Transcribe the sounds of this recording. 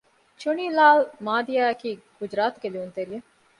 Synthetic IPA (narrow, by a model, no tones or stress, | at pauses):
t͡ʃoniːlaːlmaːd̪ijaːɐkiːɡ̥ud͡ʒɾaːt̪uɡeliunt̪eɾije